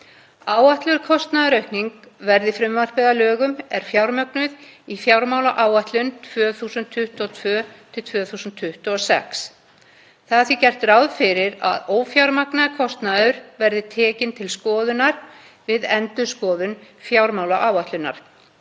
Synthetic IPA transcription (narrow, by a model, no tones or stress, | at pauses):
aːwaht̪lʏɾkʰɔst̪naðɾœɥhkniŋk | vɛɾðɪfɾʏmvar̥pɛðalœːɣʏmɛɾ̥fjawɾmœknʏðifjawɾmaːwlaʔaːwaht̪lʏnt̪ʰvœːθuːsʏnt̪ʰːʏht̪ɔt̪ʰvœːt̪ʰɪlt̪ʰv̥œːθuːsʏnt̪ʰːʏht̪uɔsɛ̰ks | θaðθicɛr̥t̪rawðfɪɾɪɾa̰ðoːwfjawɾmaknakʰɔst̪naðʏɾvɛɾðɪt̪ʰɛːcɪnt̪ʰɪlskɔːðʏnaɾ̥ | vɪðɛnt̪ʏskɔːðʏnfjawɾmaːwlaʔaːwaht̪lʏnːa̰ɾ̥